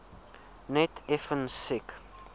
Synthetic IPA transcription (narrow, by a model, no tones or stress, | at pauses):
nɛtʰɛfənsɪk